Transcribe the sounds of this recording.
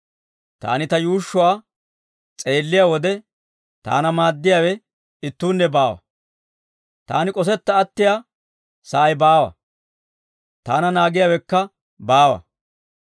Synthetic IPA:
t̪a̰ːnɪt̪ɐjuːʃːʊwaː | t͡sʼe̞ːlːɪjaːwɔd̪ɛ | t̪a̰ːnɐmaːd̪ːɪjaːwɛ | ɪt̪ːuːnːɛbaːwɐ̰ | t̪a̰ːnɪkʼɔs̬ɛt̪ːɐːt̪ːɪjaː | sɐʔɐjbaːwɐ̰ | t̪aːnɐnaːɡɪjaːwɛkːɐ | baːwɐ̰

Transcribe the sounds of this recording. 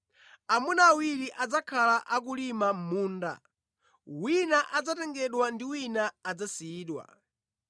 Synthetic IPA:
amunaːwiɾiʔad͡zakʰalaʔak̬ulimam̩muːnda̰ | winaʔad͡zatɛŋɡɛɗwandiwinaːd͡zasiiːɗwa̰

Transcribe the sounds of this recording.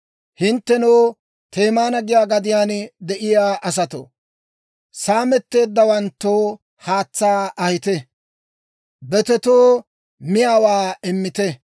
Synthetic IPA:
hɪnt̪ːɛnoː | t̪ʰe̞ːmaːnɐɡɪjaːɡɐd̪ɪjaːnd̪ɛʔɪjaːʔɐs̬ɐt̪o̰ | saːmɛt̪ːe̞ːd̪ːɐwɐnt̪ːoː | haːt͡sːaːɐhɪt̪ɛ | bɛt̪ɛt̪oː | mɪjaːwaːɪmːɪt̪ɛ

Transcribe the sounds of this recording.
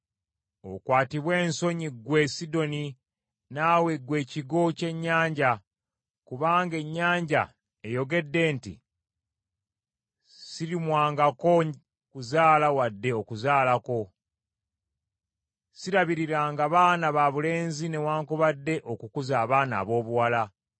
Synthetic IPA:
o̰kwaːtiβwe̞ːnso̞ɲiɡwe̞sido̞ni | naːweɡwe̞ːciɡo̞ce̞ɲːaːɲɟa | kuβaːŋɡe̞ɲːaːɲɟa̰ | e̞jo̞ɡe̞dːe̞ːntḭ | siɾimwaːŋɡako̞ | kuzaːlawadːe̞o̞kuzaːlako̞ | siɾaβiɾiɾaːŋɡaβaːnaβaβule̞ːnzine̞waːŋkuβadːe̞ʔo̞kukuzaːβaːna̰ːβo̞ːβuwala

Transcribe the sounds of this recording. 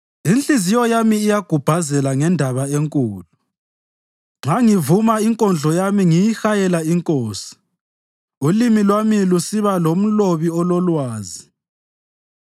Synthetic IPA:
inɬʼizijɔjamiːjaɡ̥ʱub̥ʱazɛlaŋɛndʱaβaeŋkʼuːlu | ŋ͡ǁaŋivumaiŋkʼɔnd͡ɮʱɔjamiŋijixajɛlaiŋkʼoːsi̥ | ulimilwamilusiβalom̩loβiɔlɔlwaːzi

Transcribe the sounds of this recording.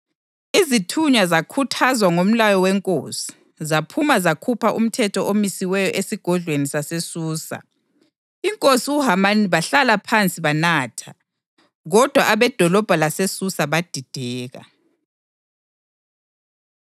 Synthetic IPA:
izitʰuɲazakʰutʰazwaŋom̩lajɔwɛŋkʼoːsi̥ | zapʰumazakʰupʰaʔṵm̩tʰɛtʰɔʔomisiwɛjɔʔesiɡ̥ʱɔɮwenisasesuːsa̰ | iŋkʼosiuɦamaniβaɬalapʰant͡sʼiβanaːtʰa | ɣɔd̥ʱwaʔaβɛd̥ʱɔlɔb̥ʱalasesusaβad̥ʱid̥ʱɛːɣa̰

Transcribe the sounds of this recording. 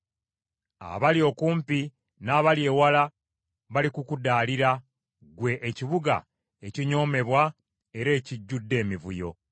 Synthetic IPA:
a̰βalio̞kuːmpi | naːβalje̞ːwala | βalikukudaːliɾa | ɡwe̞ʔːciβuɡa̰ | eciɲo̞ːme̞βwa | e̞ɾe̞ːciɟːudːe̞ːmivujo̞̰

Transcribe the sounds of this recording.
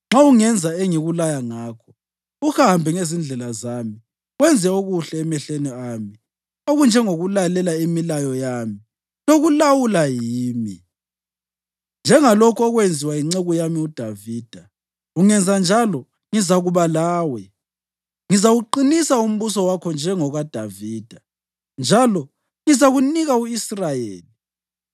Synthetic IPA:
ŋ͡ǁauŋɛnd͡zʱaeŋiɣulajaŋaːkʰɔ̥ | uhambʱɛŋezind͡ɮʱɛlazami | ɣwɛnd͡zʱɛoɣuɬɛːmɛɬeniami | oɣund͡ʒʱɛŋoɣulalɛlaemilajɔjaːmi | noɣulawulajiːmḭ | nd͡ʒʱɛŋalɔkʰɔɣwend͡zʱiwaiŋ͡ǀeɣujamiud̥ʱaviːd̥ʱa | uŋɛnd͡zʱand͡ʒʱalɔ | ŋizaɣuβalaːwɛ | ŋizaɣuǃinisaum̩βusɔwakʰɔnd͡ʒʱɛŋɔɣad̥ʱaviːd̥ʱa | nd͡ʒʱalɔ | ŋizaɣuniɣauisrajḛːli

